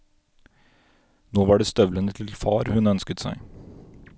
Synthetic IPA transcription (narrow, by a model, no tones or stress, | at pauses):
noːʋɑːɖeːst̪œʋlənət̪ʰɪlfɑːɾhʉnœnskət̪sæ̰ɪ